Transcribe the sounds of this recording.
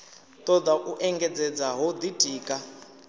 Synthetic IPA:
t̪ʼɔd̪aʔuʔɛŋɡɛd͡zɛd͡zaɦɔd̪itʰʼiːkʼa

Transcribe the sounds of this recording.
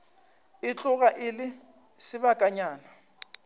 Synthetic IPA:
ɪt͡ɬʼʊɣaʔɪlɪ | sɪbakʼaɲaːna

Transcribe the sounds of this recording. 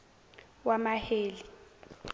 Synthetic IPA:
wamaheːli

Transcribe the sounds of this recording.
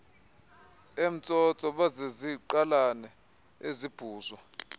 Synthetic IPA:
em̩t͡sʼɔt͡sʼɔɓazeziǃalanɛ | ezib̥ʱuːzwa

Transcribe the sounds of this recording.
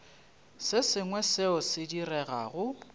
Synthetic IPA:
sɪsɪŋwɛsɪʊsɪdirɛɣa̰ːɣʊ

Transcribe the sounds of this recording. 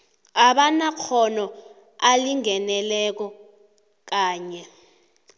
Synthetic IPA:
aɓanak͡xʰɔnɔ | aliŋɛnɛlɛk̬ɔ | k̬aːɲɛ

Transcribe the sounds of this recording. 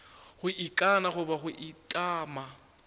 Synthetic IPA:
χʊʔɪkʼanaχʊbaχʊʔɪkʼaːma

